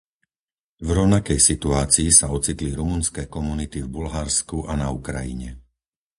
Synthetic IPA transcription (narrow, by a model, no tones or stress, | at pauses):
vɾɔʊnakɛjsit̪uaːt͡siːsaɔt͡sit̪liɾumunskɛːkɔmunit̪ivbulɦaɾskuʔanaukɾa̰jḭɲɛ̰